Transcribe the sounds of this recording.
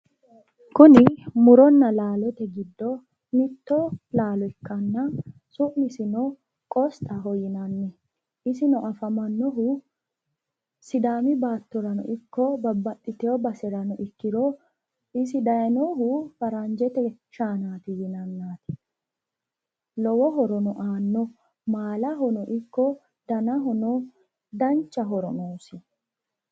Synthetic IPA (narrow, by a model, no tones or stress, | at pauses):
kʊnɪmʊɾɔnːɐlaːlɛt̪ɛɡɪd̪ːɔ | mɪt̪ːolaːlɔɪkːɐnːɐ | sʊʔnɪsɪnɔ | kʼɔst̪ʼaɦɔjɪnɐnːɛ | ʔɪsɪnɔʔɐfɐmɐnːɔɦʊ | sɪd̪aːmɪbaːt̪ːɔɾɐnʊ̰ʔɪkːɔbɐbːɐt̪ʼːɪt̪ɛɔbɐsɛɾɐnɔʔɪkːɪɾo | ɪs̬ɪd̪ɐjɐnɔɦʊfɐɾɐnd͡ʒɛt̪ɛʃaːnaːt̪ɪjɪnɐnːaːt̪ɪ̥ | lɔwɔɦɔɾɔnɔʔaːnːɔ | maːlɐɦɔnɔʔɪkːɔ | d̪ɐnɐɦɔnɔ | d̪ɐnt͡ʃːɐɦɔɾɔnoːsɪ